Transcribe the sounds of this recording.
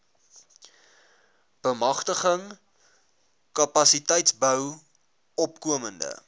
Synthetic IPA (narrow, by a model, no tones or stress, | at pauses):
b̥əmɐχtəχəŋ | kɐpɐsitəjtsbœw | ɔpkuəməndə̰